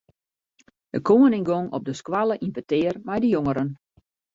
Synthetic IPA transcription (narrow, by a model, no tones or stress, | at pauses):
dəkʰoːənɪŋɡoŋɔ̰p̚dəskwalˠəʔimpətɪərmɛjdəjoŋəɾən